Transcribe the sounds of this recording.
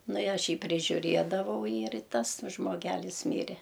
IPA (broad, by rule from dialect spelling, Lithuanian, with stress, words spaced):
ˈnʊ ɪ ˈɐʃ ˈjiː pʲrʲɪʒʲʊˈrʲiɛdɐʋɐʊ ɪr ˈtɐs ʒmoːˈɡʲæːlʲɪs ˈmʲiːrʲɛ